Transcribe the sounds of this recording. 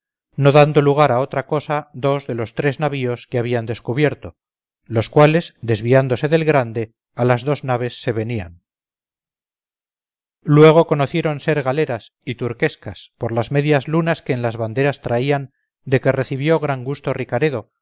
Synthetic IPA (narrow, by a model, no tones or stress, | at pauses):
no̞ðand̪o̞luɣ̞aɾao̞t̪ɾako̞saðo̞zðe̞lo̞st̪ɾe̞znaβ̞io̞skeaβ̞iand̪e̞skuβje̞ɾt̪o̞ | lo̞skwale̞zd̪e̞zβiand̪o̞se̞ðe̞lɣɾand̪e̞ | alazðo̞znaβ̞e̞sːe̞βe̞nian | lwe̞ɣ̞o̞ko̞noθje̞ɾo̞nse̞ɾɣale̞ɾas | it̪uɾke̞skaspo̞ɾlazme̞ðjazlunaske̞ːnlazβand̪e̞ɾast̪ɾaian | d̪e̞ke̞re̞θiβjo̞ɣ̞ɾaŋɡust̪o̞rikaɾe̞ðo̞